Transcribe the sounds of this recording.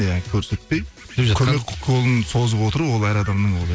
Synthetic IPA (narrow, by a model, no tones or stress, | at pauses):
ækʲʰɵɾse̞t̪̚pe̞j | epʒkʲʰɵmekʰolˠənso̞zəpwo̞t̪əɾəwo̞lˠæjɾɑd̪ɑmd̪əɴolˠ